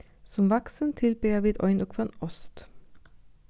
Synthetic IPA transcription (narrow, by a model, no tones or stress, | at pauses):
sɔmʋɑksənt̪ʰɪlbyːjɑːʋiːd̪ɔ̰ʏnʔɔkʰfɑnɔst̪